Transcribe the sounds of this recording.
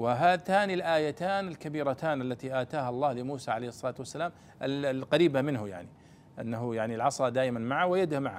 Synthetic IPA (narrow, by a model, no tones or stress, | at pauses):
wɪɦaːt̪aːnilʔaːjat̪aːnɪlkabiːɾˤat̪aːnʔalːat̪iʔaːt̪aːhalˤːɑːlɪmuːsaʕalejhɨsˤːɑlɑːt̪wasːalaːm | ʔɪlqɑɾiːbamɪnɦʊja̰ʕni | ʔanːaɦʊjaʕnilʕɑsˤɑd̪aːʔɪmanmaʕawɪjad̪ʊhmaʕa̰